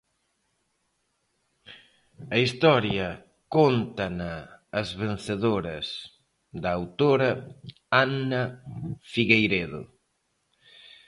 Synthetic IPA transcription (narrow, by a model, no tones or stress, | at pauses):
ɐist̪ɔɾjɐ | kont̪ɐnɐːzβen̟θeðoɾɐs | d̪ɐawt̪oɾɐ | anɐfiɣejɾeðʊ̰